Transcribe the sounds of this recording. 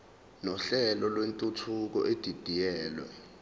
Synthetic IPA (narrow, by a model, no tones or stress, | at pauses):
nɔɬɛlɔlwentʼutʰuk̬ɔ̰ʔed̥ʱid̥ʱijɛːlwɛ̰